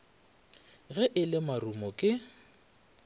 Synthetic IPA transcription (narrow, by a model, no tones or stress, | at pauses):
ɣɛʔɪlɪmarumɔkʼɪ